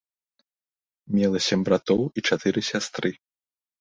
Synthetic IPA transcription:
mʲɛlˠɐsʲɛmʲbɾat̪ɔwit͡ʂat̪ɨɾɨsʲast̪ɾɨ

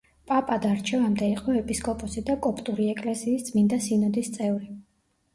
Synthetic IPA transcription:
pʼapʼad̪aɾt͡ʃʰɛvamd̪ɛiqʼɔɛpʼiskʼɔpʼɔsid̪akʼɔpʼt̪ʼuɾiɛkʼlɛsiːstd̪sʼmind̪asinɔd̪ist̪sʼɛvɾi

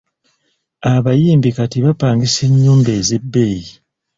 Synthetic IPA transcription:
aβajiːmbikatiβapaːŋɡiseɲːuːmbe̞ːze̞bːeji

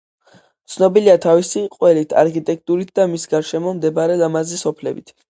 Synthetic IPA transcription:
t̪sʰnɔbiliat̪ʰavisiqʼwɛlit̪ʰa̰ɾkʰit̪ʼɛk̚ʰt̪ʼuɾit̪̚ʰd̪amisɡaɾʃɛmɔmd̪ɛbaɾɛlamazisɔpʰlɛ̰bḭt̪ʰ

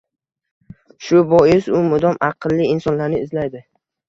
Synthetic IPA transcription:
ʃʊbɒjɪsʊmʊd̪ɒmɑqʰɨlˠːiːnsɒnlaɾnɪɪzlajd̪ɪ

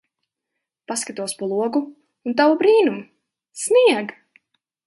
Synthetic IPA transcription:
paskat̪uɔspɔlˠuɔɡuː | nt̪avubɾiːnum | sniɛɡ

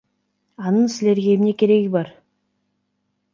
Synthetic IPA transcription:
ɑnəɴsɪle̞ɾɡʲemne̞kʲʰe̞ɾe̞ɡʲɪbɑɾ

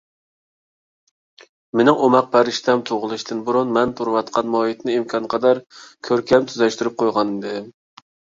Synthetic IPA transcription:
menɪŋomɑq̚pʰæɾɪʃt̪ɛmt̪ʰoʁəlˠɨʃt̪ʰɪnbʊɾunmɛnt̪ʰuɾwɑt̪qʰɑnmɑjit̪nɪimkʲʰɑnqʰɑd̪ɑɾkʲʰøɾkʲʰɛmt̪ʰyzɛʃt̪yɾyp̚qʰojʁɑnɪd̪ɪ

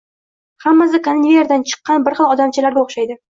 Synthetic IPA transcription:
hamːasɪkanneɾd̪ant͡ʃʰɨ̥qːɑnbɪɾχɨlˠɒd̪amt͡ʃʰɪlaɾɡʲaoχʃajd̪ɪ

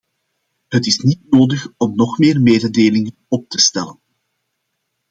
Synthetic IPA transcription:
ɦətɪsnitnoːdəxɔmnɔxmeːrmeːdədeːlɪŋənɔp̚tə̥stɛlən

